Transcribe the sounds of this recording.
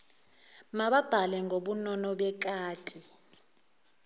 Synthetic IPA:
maɓab̥ʱalɛŋʱoɓunɔnɔɓɛk̬ʼaːtʼi

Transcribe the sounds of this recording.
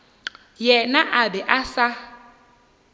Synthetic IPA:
jɛnaʔabɛʔasa

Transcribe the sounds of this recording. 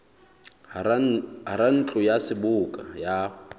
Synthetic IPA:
ɦaɾan̩t͡ɬʼʊjasɪbʊkʼaja

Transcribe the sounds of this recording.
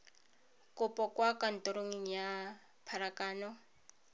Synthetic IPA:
kʼʊpʼɔkʼwakʼan̩tʼɔɾoŋiŋija | pʰaɾakaːnɔ

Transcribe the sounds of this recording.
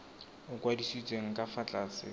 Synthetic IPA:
ʊkʼwadisit͡sʼeŋ̩kʼafat͡ɬʼaːsɪ̰

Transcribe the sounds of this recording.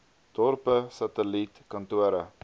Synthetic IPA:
d̥ɔrpəsɐtəlitkɐntuəɾə

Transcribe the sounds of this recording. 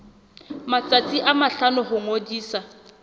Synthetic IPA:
mat͡sʼat͡sʼiʔamaɬanʊhʊŋodiːsa

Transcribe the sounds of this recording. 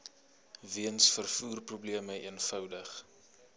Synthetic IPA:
viənsfərfuːrprubliəməiənfœwdəχ

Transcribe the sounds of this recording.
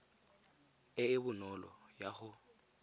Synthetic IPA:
ɪɪbʊnɔlɔ̰jaχʊ

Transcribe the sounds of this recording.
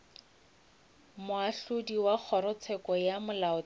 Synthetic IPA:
mʊaɬʊdiwak͡xʰɔɾʊt͡sʰɛkɔjamʊlaʊ

